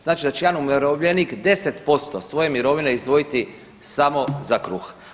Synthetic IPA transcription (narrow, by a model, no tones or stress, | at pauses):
znaːt͡ʃid̪at͡ɕejaːnumeɾoʋʎenikd̪e̞se̞t̪po̞st̪osʋo̞je̞miɾo̞ʋine̞izd̪ʋo̞jit̪i | samo̞zakɾuːx